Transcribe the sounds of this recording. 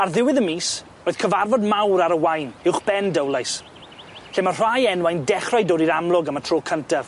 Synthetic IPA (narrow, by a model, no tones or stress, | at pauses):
arðɪwɪðəmiːs | roːɨð̥kʰəvarvɔdmawɾaɾəwajnɪwχb̥ɛndəwlˠajs | ɬeːmar̥ajɛnwajndɛχrajdoːɾiɾamlˠʊɡəmatʰroːkʰəntav